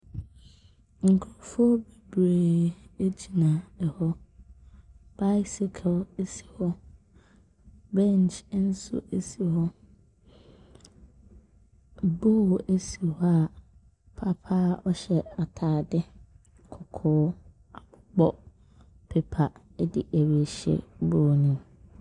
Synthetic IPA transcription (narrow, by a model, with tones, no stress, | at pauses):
ŋ̩˨kʰʊ˦ɾɔ˨fʊ˦ɔ˦bi˨bɾeː˨e˦d͡ʑi˨nã˨ɛ˨hɔ˦ | b̥a˦jsi˨kʰle˦si̥˨hɔ˦ | bɛ̃˦n˨t͡ʃn̩˦sʊ̰˦ʔe˦si˨hɔ˦ | boː˦˨ʔæ˦si˨hɔ˦a˨ | pʰa˦pʰa˦ɔ˦ɕɛ˨a˨tʰaː˨dɪ˦ | kʰɔ˨kʰɔː˦ | a˨ɡ͡bɔ˦ | pʰe˦pʰa˨˦ | dɪ̰˦ʔæ˨we˨ɕɛ̰˨boː˦˨nĩ˨m